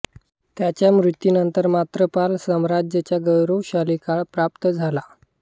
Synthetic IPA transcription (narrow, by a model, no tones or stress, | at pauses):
t̪jat͡ɕjamɾut̪ːjinənt̪əɾmat̪ɾəpalsəmɾad͡ʑjət͡ɕjaɡəwɾowɕalikaɭpɾapt̪əd͡zʱala